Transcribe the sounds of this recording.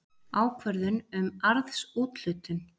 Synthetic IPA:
aːwkʰvœɾðʏnʏmaɾðsuːt̪l̥ʏːt̪ʏn

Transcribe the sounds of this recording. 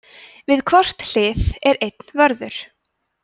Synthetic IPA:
vɪðkʰvar̥t̪l̥ɪːθɛɾejt̪n̥vœɾðʏɾ̥

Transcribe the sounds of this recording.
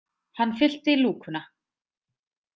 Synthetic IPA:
hanːfɪl̥t̪ɪluːkʰʏna

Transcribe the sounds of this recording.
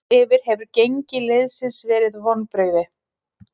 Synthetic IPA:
ɛːvɪɾ̥hɛvʏɾcejɲcɪlejðsɪnsvɛːɾɪðvɔnːpɾœːɥðɪ

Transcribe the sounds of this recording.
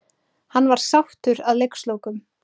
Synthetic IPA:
hanːvaɾ̥sawht̪ʏɾaðlejkslowkʏm

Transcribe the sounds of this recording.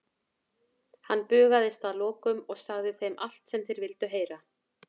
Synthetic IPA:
hanːpʏːɣaðɪst̪aðlɔːkʏmɔɣsaɣðɪθejmʔal̥t̪sɛmθejɾvɪlt̪ʏɦeːjɾa

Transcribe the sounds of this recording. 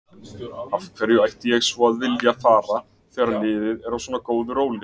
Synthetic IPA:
ḁkʰvɛɾjʏajht̪ɪjɛɣsvɔaðvɪljafaːɾa | kfvɛːɾalɪːðɪðɛɾawswɔːnakoːwðʏɾoːwlɪ

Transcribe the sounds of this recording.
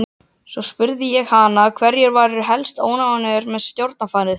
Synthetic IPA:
sɔspʏɾðɪjɛɣhanakʰvɛɾjɛɾvaːɾɪɾɦɛlst̪o̰ːwnaanɛɾmɛðst̪jowɾt̪̚nafaːjnɪð

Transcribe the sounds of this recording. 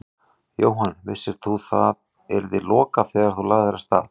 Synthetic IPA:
joːwɦanvɪsːɪɾ̥θuθa̰ð | ɛɾðɪlɔːkaθɛːɣaɾ̥θulaːɣðɛɾast̪a̰ːl

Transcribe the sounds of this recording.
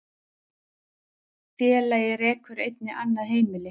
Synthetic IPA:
fjɛːlajɪɾɛːkʏɾejt̪nɪʔanːaðɦeːjmɪlɪ

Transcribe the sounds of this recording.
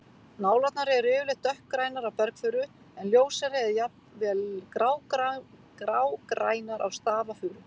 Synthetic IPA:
naːwlat̪naɾɪɛɾʏːvʏlɪht̪ːœhp̚kɾaːjnaɾawpɛɾkfʏːɾʏ | ɛnljoːwsaɾɪɛðjapnvɛlkɾaːw | kɾawkɾaːjnaɾawst̪aːvafʏːɾʏ

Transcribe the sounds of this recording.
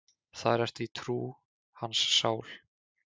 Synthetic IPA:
θaðɾɛr̥t̪it̪ʰɾuː | hansːaːwl

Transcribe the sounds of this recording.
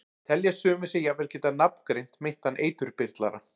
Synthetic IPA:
t̪ʰɛljasʏːmɪsɪjɛvɛlcɛːt̪anapn̥kɾejn̥t̪mejn̥t̪hanʔeːjt̪ʏɾpɪr̥t̪la̰ɾa̰

